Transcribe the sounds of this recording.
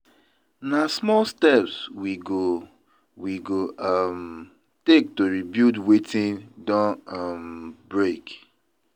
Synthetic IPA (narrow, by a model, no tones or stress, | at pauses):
nasmɔlstɛpswiɡo | wiɡom | tek̚toɹibjudwetĩndɔ̃ʌmbɹek